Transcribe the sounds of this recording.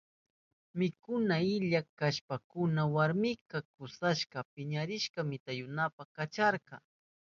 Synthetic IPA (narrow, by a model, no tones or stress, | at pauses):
mɪkʊnaɪʎakaʃpakʊnawaɾmɪkɑkʊsaʃkɑpɪɲaɾɪʃkɑmɪt̪ajʊnapakat͡ʃaɾqɑ